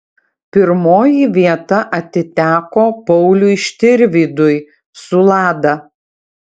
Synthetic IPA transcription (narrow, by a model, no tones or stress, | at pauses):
pʲɪɾmoːjiʋʲiɛt̪ɐʔɐt̪ʲɪt̪ʲæːkoːpɔʊlʲʊɪʃʲt̪ʲɪɾʲʋʲiːd̪ʊj | sʊlˠɑːd̪ɐ